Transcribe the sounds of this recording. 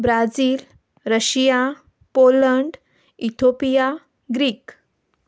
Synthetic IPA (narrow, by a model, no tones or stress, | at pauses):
bɾad͡ziːl | ɾəɕija | poləɳɖ | it̪ʰopija | ɡɾiːk